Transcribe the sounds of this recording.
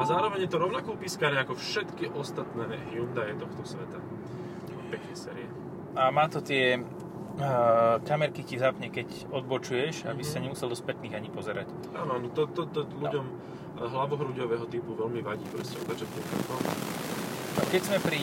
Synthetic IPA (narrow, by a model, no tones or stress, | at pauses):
azaːɾɔʋɛɲɛt̪ɔɾɔʊnakuːpiskaːɾɛakɔfʃɛt̪kiʔɔst̪at̪nɛːɦjund̪ajɛt̪ɔxt̪ɔsʋɛt̪a | pɛknɛsɛːɾiɛ | amaːt̪ɔt̪ɪɛ | kamɛɾkicizapɲɛkɛc | ɔd̪bɔt͡ʃujɛʒabissaɲɛmusɛld̪ɔspɛt̪niːɣaɲipɔzɛɾa̰c | a̰ːnanɔt̪ɔt̪ɔt̪ɔʎuɟɔm | ɦlaʋɔɦɾuɟɔʋɛɦɔt̪ipuʋɛlmiʋaɟiːpɾɔscɛɔd̪ad͡ʒɛpɛkɾa̰k̪ɔm | kɛɟzmɛpɾi